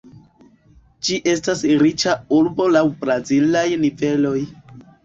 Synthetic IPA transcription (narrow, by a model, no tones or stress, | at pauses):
d͡ʒiʔe̞stasɾit͡ʃauɾbo̞lawbɾazilajnive̞lo̞j